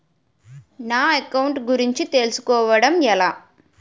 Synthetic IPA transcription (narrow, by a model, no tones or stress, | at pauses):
naːɐkːɐwɳʈɡuɾiɲt͡ʃit̪e̞lusu̥kɔːʋɐɽɐmɛlaː